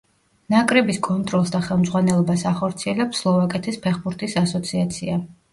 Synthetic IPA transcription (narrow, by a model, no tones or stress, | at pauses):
nakʼɾɛbiskʼɔnt̪ʼɾɔlˠsd̪aχɛlˠmd̪zʁwanɛlˠɔbasaχɔɾt̪sʰiɛlɛpsːlˠɔvakʼɛt̪ʰispʰɛχbuɾt̪ʰʼisasɔt̪sʰiat̪sʰia